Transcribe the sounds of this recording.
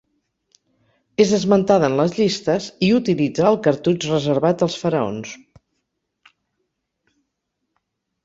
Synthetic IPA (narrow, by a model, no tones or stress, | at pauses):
ezəzmənt̪aðənləzʎist̪əziut̪ilid͡zaːlˠkəɾt̪ut͡ʃrəzəɾβat̪əlˠsfəɾəo̰ns